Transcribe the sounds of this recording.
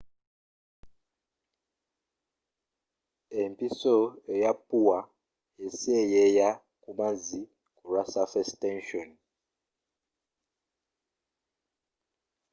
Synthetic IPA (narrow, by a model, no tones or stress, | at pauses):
empʼisɔɛjapuwa | esɛjɛja | kumazi | kurasafɛstɛnʃɔn